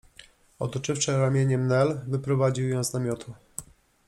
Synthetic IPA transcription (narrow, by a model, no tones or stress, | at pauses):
ɔ̰t̪ɔt͡ʂɘfʂɘɾamʲjeɲɛmnɛlvɘpɾɔvad͡ʑiwjɔ̃w̃znamʲɔt̪ʰu